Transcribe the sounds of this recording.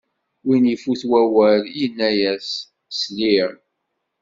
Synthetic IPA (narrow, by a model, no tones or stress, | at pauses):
winifuθwæwæɾinːæjæs | sliɾ